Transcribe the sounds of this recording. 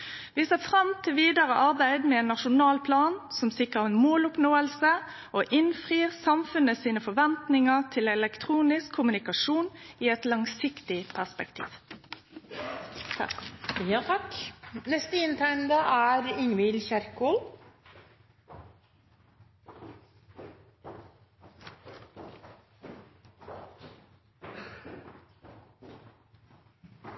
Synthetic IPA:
ʋiːseːfʁɑmt̪ʰɪlʋiːd̪ɑʁəʔɑʁbæɪd̪meːeːnːɑʃʊnɑːlpʰlɑːnsɔmsɪkʁəʁɛnmoːlʊpnoːəlsə | ʔoːʔɪnfʁiːʁsɑmfʉnəsiːnəfɔʋɛnt̪nɪŋəʁt̪ʰɪlɛlɛkt̪ʰʁuːnɪskʰːʊmʉnɪkɑʂuːniːɛt̪lɑŋsɪkt̪ɪpʰæʁspɛkt̪ʰḭːʋ | jɑːt̪ʰɑknɛst̪əɪnt̪ʰæɪɳd̪ɑːʔæːɾɪŋʋɪlçæɾkoːl

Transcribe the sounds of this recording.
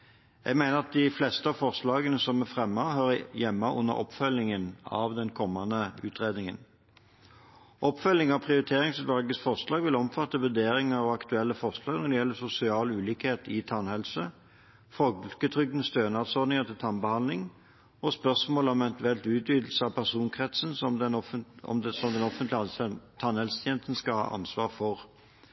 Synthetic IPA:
jæ̰ɡmæɪnəʁɑt̪̚d̪ɪflɛst̪əɑːʋfɔʁslɑːɡənəsɔmɛfʁɛmːɑɦøːʁəjɛmːɑʔʊ̰nːə̰ʁɔ̰pfœlːɪŋənɑ̰ʋd̪ɛnkʰɔmːɑnəʉ̰ːt̪ʁeːd̪nɪŋə̰n | ʔɔpːfœlːɪŋɑpʰʁɪʊʁɪt̪ʰeːʁɪŋsʉt̪ʋɑlɡəsfɔʁslɑːɡʋɪlɔmfɑt̪ːəʋʉd̪eːɾɪŋəɾɑʋɑkt̪ʉɛlːəfɔʁʂlɑːɡnɔd̪ɛjɛlːəsʊsɪɑːlʉːliːkheːt̪ɪt̪ʰɑnhɛlsə | fɔlkət̪ʰʁʏɡ̚d̪nəst̪øːnɑt̪sɔd̪nɪŋət̪ʰɪlt̪ʰɑnbəhɑnɪŋ | ɔspœʁsmoːlɔmɛnt̪ʉɛlt̪ʉːt̪ʋyːd̪l̩səɑpʰæʁsuːnkʰʁɛt̪sənsɔmd̪ɛnɔɔ̰msɔmd̪ɛnɔfənt̪lt̪ʰɑnhɛlsə̥t̪ʰjeːnəst̪n̩skɑlhɑ̰ːʔɑ̰nsʋɑːʁfɔʁ

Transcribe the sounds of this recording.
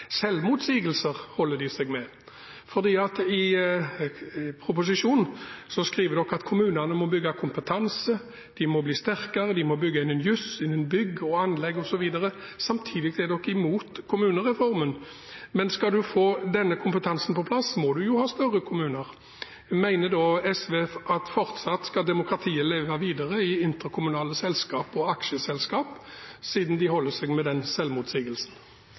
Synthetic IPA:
sɛlmʊt̪siːɡəlsəʁhɔlːəd̪ɪsɛɡmɛ | fɔd̪iːɑt̪ɪ | pʰɾʊpʊs̬ɪʃuːnsɔskʁiːʋəɾd̪ɔkːɑt̪kʰʊmʉːnəʁnəmɔbʏɡːɑkʰʊmpət̪ʰɑnsə | d̪̥ɪmɔbliːst̪æʁkɑʁəd̪ɪmɔbʏɡːəɪnənjʉsɪnːənbʏɡːɔɑnlɛɡːɔsɔʋiːd̪ɑʁə | sɑmt̪ʰiːd̪ɪɡd̪ɛd̪ɔkːɪmuːt̪kʰʊmʉːnəʁɛfɔʁmən | mɛnskɑd̪ʉfoːd̪ɛnːəkʰʊmpət̪ʰɑnsn̩pɔpʰlɑsmɔd̪ʉjʊhɑːst̪œʁːəkʰʊmʉːnəʁ | mæɪnəd̪oːɛsʋeːɑt̪fɔʁt̪sɑt̪ːskɑd̪ɛmʊkʁɑt̪ʰiːəleːʋɑʋiːd̪əʁəɪɪnt̪əʁkʰʊmʉnɑːləsɛlskɑːpɔɑkʃəsɛlskɑːpsiːd̪n̩d̪ɪhɔlːəsɛɡmɛd̪ɛnsɛlmʊt̪siːɡəlsn̩

